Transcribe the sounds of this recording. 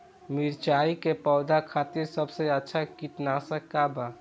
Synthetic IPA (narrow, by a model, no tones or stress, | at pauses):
miɾt͡ʃaikepɔʊd̪akʰat̪iɾsəbseətːʃʰakiʈnasəkːaba